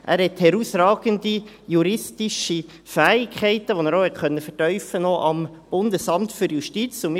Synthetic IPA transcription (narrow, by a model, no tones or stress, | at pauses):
ʔæ̰ːɾhɛthɛɾusɾɑːɡ̥əndi | juɾɪstɪʃi | fæːɪkʰχɛɪtəʋonæːɾoːhɛtkʰœnːəfɛtœʏfənɔʔɑmb̥ʊndəsɑmtfyɾjuʃtit͡sʊmɪ